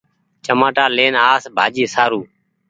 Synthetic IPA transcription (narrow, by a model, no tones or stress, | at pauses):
t͡ʃəmaːʈaːleːnaːsbʱaːd͡ʒiːsaːɾuː